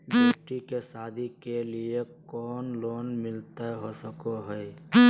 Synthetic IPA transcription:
bokʈikesad̪ʱikeliekɔːnloːnmɪlt̪aɦosəkoɦəj

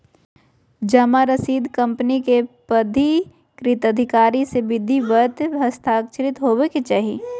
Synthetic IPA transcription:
d͡ʒɐmaɾɐsiːd̪kɐ̃mpənikepɐd̪ʱi | kɾɪt̪əd̪ʱɪkaːɾiseʋɪd̪ʱːiʋət̪ɦɐst̪ʰaːkt͡ʃɾɪt̪ɦoːʋeket͡ʃaːɦi

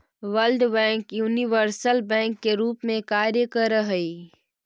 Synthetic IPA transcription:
ʋəlɖbɛ̃ːŋkjuːniʋəɾsəlbɛ̃ːŋkːeɾuːpmẽkaːɾjəkəɾəɦəi

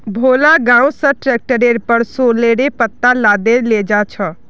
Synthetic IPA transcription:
bʱoːlaːɡaːɽõːsəʈɾɛːk̚ʈəɾeːɾpəɾsoːleːɾeːpət̪ːaːlaːd̪eːleːd͡ʒaːt͡ʃʰəː

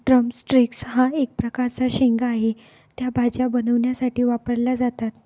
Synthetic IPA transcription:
ɖɾəmsʈɾiksɦãek̚pɾəkaɾt͡saɕeŋɡaɦe | t̪jabʱad͡ʑjabənəʋɳjasaʈiːʋapəɾlad͡zat̪at̪

